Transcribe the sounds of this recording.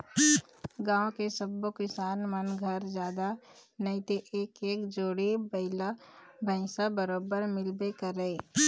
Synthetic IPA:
ɡãːwõkesəbːokɪsaːnmənɡʱəɾd͡ʒjaːd̪anəit̪eʔeːkeːkd͡ʒoːɽebəɪlabʱə̃ɪ̃sabəɾoːbəɾmɪlbekəɾeː

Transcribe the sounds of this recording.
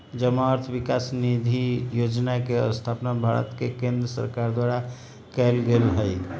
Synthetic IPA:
d͡ʒəmaəɾt̪ʰʋikaːsnid̪ʱijoːd͡ʒnakeə̰st̪ʰapnabʱaɾə̰t̪kekẽnd̪ɾəsə̰ɾkaɾd̪waːɾa | kɛːlɡelɦəi

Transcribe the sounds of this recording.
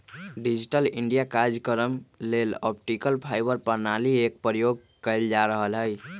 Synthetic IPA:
ɖid͡ʒiʈəliɳɖijakaɾd͡ʒkəɾəmlelɔp̚ʈikəlpʰajbəɾpəɾnaliek̚pɾəjoɡ̚ | kəɪld͡ʒaɾəɦəlɦəj

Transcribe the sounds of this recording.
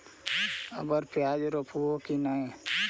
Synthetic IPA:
ə̰bəɾpjaːd͡ʒɾopʰuokinaẽ

